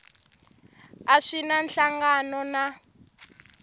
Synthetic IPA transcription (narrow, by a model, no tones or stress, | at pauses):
aʂinanɬaŋɡanɔna